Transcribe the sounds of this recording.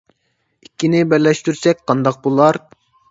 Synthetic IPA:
ikʲʰːinɪbæɾlɛʃt̪yɾsɛk̚ʲqʰɑnd̪ɑq̚bulˠɑɾ

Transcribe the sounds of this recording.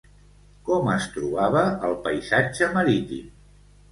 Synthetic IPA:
kɔməst̪ɾuβaβəəlˠpəjzad͡ʒəməɾit̪ḭm

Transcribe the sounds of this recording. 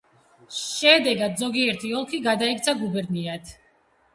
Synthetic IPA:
ʃɛd̪ɛɡad̪zɔɡiɛɾt̪ʰiɔlˠkʰiɡad̪aikt̪sʰaɡubɛɾniat̪ʰ

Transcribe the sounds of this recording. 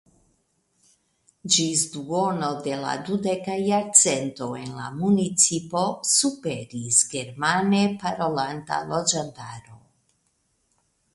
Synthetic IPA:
d͡ʒis̬duono̞de̞la̰dude̞kajaɾt͡se̞nto̞e̞nla̰munit͡sipo̞supeɾisɡe̞ɾmanepaɾo̞lanta̰lo̞d͡ʒantaɾo̞

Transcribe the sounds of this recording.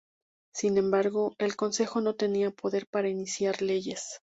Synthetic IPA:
sinẽ̞mbaɾɣo̞e̞lko̞nse̞xo̞no̞t̪e̞niapo̞ðe̞ɾpaɾainisjaɾle̞ʝe̞s

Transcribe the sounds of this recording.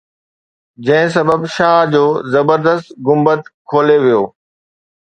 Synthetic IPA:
d͡ʑɐ̃ɦɪ̃s̬ɐbəbʃaːd͡ʑoːzɐbəɾd̪əst̪ɡʊmbət̪kʰoːleʋijoː

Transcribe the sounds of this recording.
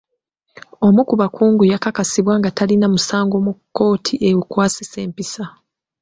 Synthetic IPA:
o̞mukuβakʰuːŋɡujakakasiβwaːŋɡatalinamusaːŋɡo̞mukːo̞ːtʰiʔewukwaːsise̞ːmpisa

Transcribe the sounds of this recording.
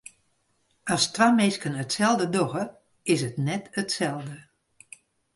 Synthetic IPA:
astʋamɪskənətsɛlˠdədoɣə | ɪsətnɛtətsɛlˠdə

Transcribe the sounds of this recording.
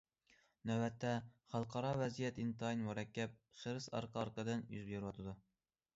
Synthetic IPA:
næwbɛt̪ʰːɛχɑlˠqʰɑɾɑwɛzijɛt̪int̪ɑjnwɑɾɛkʲːɛp̚χəɾɨsɑ̰ɾqʰɑɑɾqəd̪ɨnjy̰zbjeɾwɑt̪ʰɨd̪u

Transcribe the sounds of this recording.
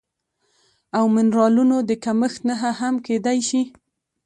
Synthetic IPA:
awmɪnɾɑlunod̪əkaməxt̪naɦaɦamked̪ajʃi

